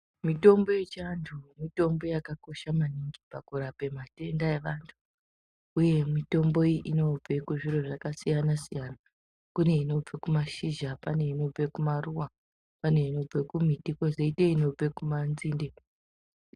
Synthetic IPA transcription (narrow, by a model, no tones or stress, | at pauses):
mito̞mbo̞jet͡ʃantʰumito̞mbo̞jakako̞ʃamaniŋɡipakuɾape̞mate̞ndae̞ʋantʰu̥ː | je̞mito̞mbo̞iʔino̞b͡ve̞kuʐiɾoʐakasijanasijana | kune̞ino̞b͡vekumaʃiʒapane̞ino̞b͡vekumaruwa | pane̞ino̞b͡vekum̤itiko̞zeiteino̞b͡ve̞kumanziːnde